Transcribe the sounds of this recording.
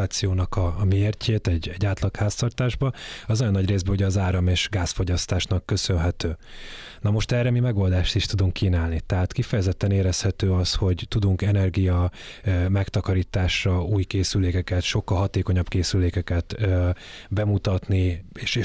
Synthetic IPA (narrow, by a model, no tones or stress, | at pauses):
aːt̪sijoːnɒkɒːmieːrcʰeːt̪ɛɟɛɟːaːt̪lɒkhaːst̪ɒrt̪aːʒbɒɒzojonːɒɟreːzbɛuɟɛːzaːɾɒmeːʃɡaːsfo̞ɟɒst̪aːʃnɒkːø̞sønɦɛt̪øː | nɒmo̞ʃt̪ɛrɛmimɛɡo̞ld̪aːʃt̪iʃt̪ud̪uŋkkːiːnaːlnit̪ɛɦaːt̪kifɛjɛzɛt̪ːɛneːɾɛshɛt̪øːɒsho̞ɟt̪ud̪uŋkɛnɛrɡijɒ | mɛkt̪ɒkɒɾiːt̪aːʃrɒuːjkeːsyleːkɛkɛt̪ʃo̞kːɒlɦɒt̪eːkoɲɒbkeːsyleːkɛkɛt̪ø | bɛmut̪ɒt̪nieːʃe